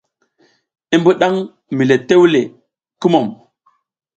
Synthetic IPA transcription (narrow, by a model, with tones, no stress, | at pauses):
i˦mbu˦ɗa˦ŋ | mi˨le˨te˦wle˨ | ki˦mo˨m